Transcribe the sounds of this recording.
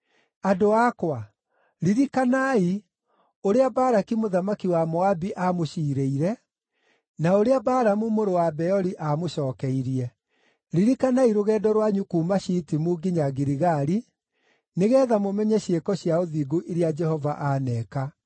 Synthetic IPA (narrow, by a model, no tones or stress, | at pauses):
adoakwa | ɾiɾikanai | oɾeabaːɾakimoðamakiwamɔabiʔamoʃiːɾeiɾɛ | naoɾeabaːɾamumoɾowabɛɔɾiʔamoʃɔːkɛiɾiɛ | ɾiɾikanaiɾoɣɛːdɔɾwaɲukuːmaɕitimuːɡiɲaɡiɾiɣaɾi | neɣɛːðamomɛɲɛɕekɔɕjaoðiɡoʔeɾejad͡ʒɛhɔvaʔanɛːka